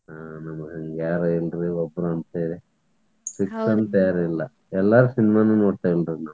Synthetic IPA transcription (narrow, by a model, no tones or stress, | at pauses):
anɐmɐɡɦɐŋɡjaːɾɐilɾiɔbːɾuɐnt̪eːɾi | siksɐnt̪jaːɾilːɐ | ɛlːaɾusinimaːnunoːɽʈ̪ːɐilɾinam